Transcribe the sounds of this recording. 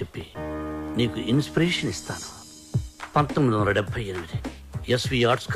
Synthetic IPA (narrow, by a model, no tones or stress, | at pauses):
epːiniːkuʔinspiɾeːʂɐnist̪a̰ːnu̥ | pɐnt̪omːid̪iʋɐnɐɖɛbʱːɐjinimid̪i | esʋiːaːɾʈsk